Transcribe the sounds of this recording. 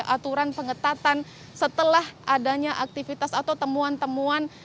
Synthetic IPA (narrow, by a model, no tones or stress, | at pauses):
ʔat̪uɾanpəŋət̪at̪an | sət̪əlahʔadaɲaʔak̚t̪ifit̪asat̪awt̪əmuant̪əmuan